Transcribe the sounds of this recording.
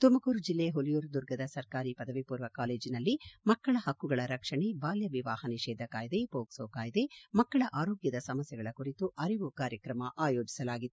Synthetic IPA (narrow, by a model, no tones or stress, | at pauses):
t̪umɐkuːɾud͡ʒilːeɦolijuːɾd̪uɾɡɐd̪ɐsɐɾkaːɾipɐd̪ɐʋipuːɾʋɐkaːleːd͡ʒinɐlːimɐkːɐɭɐhɐkːuɡɐɭɐɾɐkʂɐɳebaːljɐʋiʋaːhɐniʃeːd̪ʱɐkaːjid̪e̞poːksoːkaːjid̪emɐkːɐɭɐʔaːɾo̞ːɡjɐd̪ɐsɐmɐsjɐɡɐɭɐkuɾit̪uʔɐɾiʋukaːɾjɐkɾɐmɐʔaːjoːd͡ʒi̥sɐlaːɡid̪